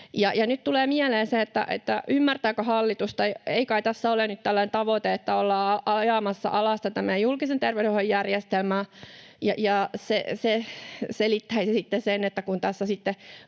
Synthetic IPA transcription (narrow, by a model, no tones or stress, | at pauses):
jɑjɑnyt̪t̪uleːmiæleːnseːet̪ːæ̰ʔḛt̪ːæʔymːært̪æːkøhɑlːit̪ust̪ɑieikɑit̪æsːæolenyt̪t̪ælːænent̪ɑʋot̪eet̪ːæolːɑːɑʔɑjɑːmɑsːɑ̰ʔɑlɑst̪ɑt̪æmæjulkisent̪erʋeɾohojjærjest̪elmæː | jɑ̰jɑseseselit̪ːæisesit̪ːesenet̪ːækunt̪æsːæsit̪ːe